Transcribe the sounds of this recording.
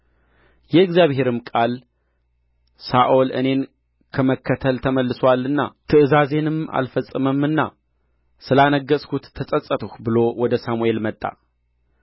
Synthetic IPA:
jɛɨɡzjaβhe̞ɾɨmkʼal | saʔolɨ̰ne̞n | kʰəməkʰːət̪ʰəlt̪ʰəməlːɨsoalːɨnːa̰t̪ʰɨʔɨzaze̞nɨma̰lfəsʼːɨməmɨnːa̰ | sɨlanəɡːəsʼkʰut̪ʰːəsʼəsʼət̪ʰuhbɨlo̞wɔd̪əsamue̞lmət̪ʼːa̰

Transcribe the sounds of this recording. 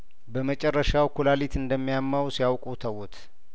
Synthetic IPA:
bəmət͡ʃʼɛrːəʃawkʰulalit̪ʰɨnd̪əmːijamːawsijawkʼut̪ʰəwʊt̪ʰ

